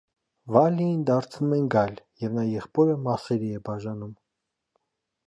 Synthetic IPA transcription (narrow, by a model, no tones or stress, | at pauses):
vɑlijind̪ɑɾt͡sʰnumɛnɡɑjljɛvnɑjɛχpɔɾəmɑsɛɾiɛbɑʒɑnum